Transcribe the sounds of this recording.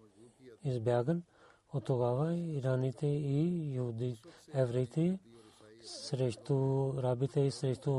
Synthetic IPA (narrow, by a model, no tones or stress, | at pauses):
ɪsbjaːɡən | ʊt̪oɡaːʋaiɾaːniːt̪ʰeijəɦuːd̪iɛːʋɾiit̪e | sɾeʃt̪uɾaːbit̪eisɾeʃt̪u